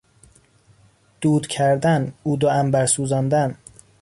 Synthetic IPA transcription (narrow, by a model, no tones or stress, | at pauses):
d̪̥uːd̪̥cʰæɾd̪ænuːd̪oæmbæɾsuːzɒnd̪æn